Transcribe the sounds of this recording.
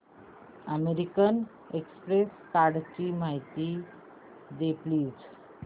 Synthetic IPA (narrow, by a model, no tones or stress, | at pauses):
əmeɾikən | ekspɾeskaɽt͡ɕimaɦit̪i | d̪epliːd͡z